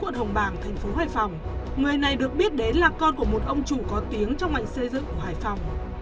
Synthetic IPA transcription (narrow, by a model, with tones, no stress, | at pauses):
ṵ˧˨ənhə˨˧˩wŋ͡mɓaː˧˩ŋt̪ʰa˨˩jŋ̟fo˨˦haː˧˨˩jfɔ˨˩wŋ͡m | ŋɨ˨˩əjna˨˩jɗɨ˨˩ək̚ɓi˦˥ət̚ɗe˨˦nlaː˨˩kɔ˧nku˧˩əmo˨˩t̚ʔə˧wŋ͡mt͡ɕu˧˩kɔ˨˦t̪i˨˦əŋt͡ɕɔ˧wŋ͡mŋa˨˩jŋ̟sə˧jzɨ̰˧˨ŋku˧˩əhaː˨˩jfa˨˩wŋ͡m